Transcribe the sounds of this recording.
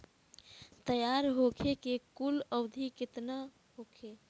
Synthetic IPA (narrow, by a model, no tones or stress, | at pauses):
t̪əjaɾɦokʰekekuləwd̪ʱikɪt̪na | ɦokʰe